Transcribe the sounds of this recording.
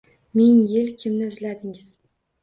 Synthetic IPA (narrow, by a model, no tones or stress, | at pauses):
mɪŋjɪlkʲʰɪmnɪʊzlad̪ɪŋɪz̥